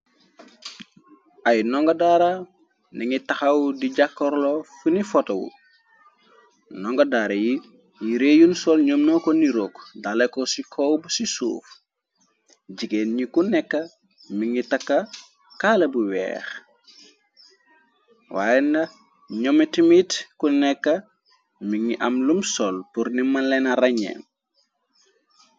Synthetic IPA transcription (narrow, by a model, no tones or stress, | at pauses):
ʔajnɔŋɡɐdaɾa | niŋitɐxɐwdiɟakːɔɾlɔfunifɔtɐwṵ | nɔŋɡɐdaːɾɐji | jiɾejunsɔlɲomnɔkɔniɾokdalekɔsikʰɔwbusisṵːf | ɟiɡeːnɲikunɛkːɐ | miŋitɐkːɐ | kaːlɐbuwɛ̰ːx | wa̰jɛndɐ | ɲɔmitimitkunɛkːɐ | miŋiʔɐmlumsɔlpuɾnimɐnlɛnɐrɐɲɛ̰ːn